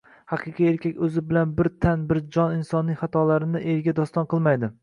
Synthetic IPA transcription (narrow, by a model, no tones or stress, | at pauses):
hɑqʰɨqʰieɾkʲʰakʲɵzɪbɪlanbɪɾt̪ʰanbɪɾd͡ʒɒnɪnsɒnːɪχat̪ʰɒlaɾɪnɪʔeɾɡʲad̪ɒst̪ɒnqʰɨlˠmajd̪ɪ